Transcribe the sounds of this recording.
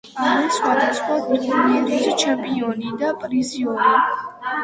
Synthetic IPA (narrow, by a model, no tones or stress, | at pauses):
aɾisχwad̪asχwabɾit̪ʰaniɛɾɛsit͡ʃʰɛmpʼiɔnid̪apʼɾiziɔni